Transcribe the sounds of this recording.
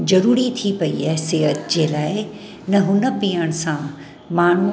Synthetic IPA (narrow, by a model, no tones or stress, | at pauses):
zɐɾuːɾit̪ʰipɐḭaːɦseːɦət̪d͡ʑeːlaːɪ | nɐɦʊnə̆piəɽ̃sã | maːɳ̤u